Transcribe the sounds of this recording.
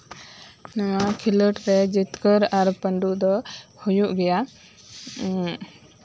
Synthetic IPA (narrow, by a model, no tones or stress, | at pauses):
nawaʔkʰiləʈɾɛd͡ʒit̪kəɾaɾpəɳɖuʔd̪ɔhujuʔɡɛja